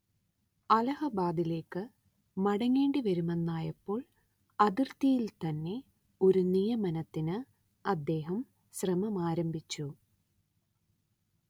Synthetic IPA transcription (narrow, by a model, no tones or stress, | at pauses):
ɐlɐhɐbaːd̪ile̞ːkːɨ | mɐɽɐŋːeːɳɖiʋɐɾume̞nːaːjɐpːo̞ːɭ | ɐðirt̪ijilt̪ɐnːe̞ | o̞ɾunijɐmɐnɐt̪ːinɨ | ɐd̪ːe̞ːɦɐm | ɕrɐmɐmaːɾɐmbʱit͡ɕːu